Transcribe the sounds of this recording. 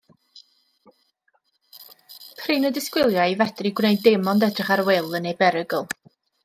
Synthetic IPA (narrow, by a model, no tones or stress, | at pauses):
pʰriːnədɪskwɪlˠjaɨvɛd̥riɡwnejdɪmɔndɛdrɪχaɾwelˠənebɛɾəɡəlˠ